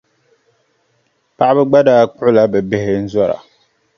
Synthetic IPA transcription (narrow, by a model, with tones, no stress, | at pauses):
pa˦ʔa˦bɛ˦ɡ͡ba˦daː˦k͡pʊ˦ʔʊ˦la˨˦bɛ˨be˦hɪ˦n̩˦zɔ˦ɾa̰˨